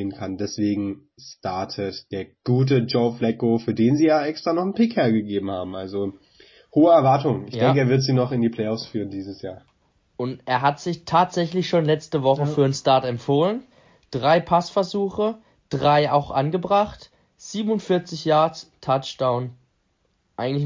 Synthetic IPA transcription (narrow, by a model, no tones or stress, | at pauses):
eːənkʰandɛsv̥eːɡŋ̩ | staɐtʰətd̥eːɐɡ̥uːt̬əd͡ʒoʊflɛkofyːɐdeːnziːjaʔɛkstʁ̥anɔχn̩pʰɪkhɛːɐɡəɡeːbm̩ha̰ːbm̩ʔalzo | hoːəɛɐvaɐtʊŋɪçdɛŋkəːvɪɐtz̥iːnɔχɪndiːpʰl̥ɛɪɔfsfyːʁəndiːzəsjaːɐ | ʔʊntʔeːɐɦatz̥ɪçtʰaːtz̥ɛçlɪçʃoːnlɛt͡stəvɔχəfyːɐənstaɐtɛmfoːlən | d̥ʁaɪpʰasfɛɐzuːxə | d̥ʁaɪaʊxʔanɡəbʁaχt | z̥iːbm̩ʊntfɪɐt͡sɪçjaːɐt͡stʰat͡ʃd̥aʊn | ʔaɪɡŋ̩tlɪç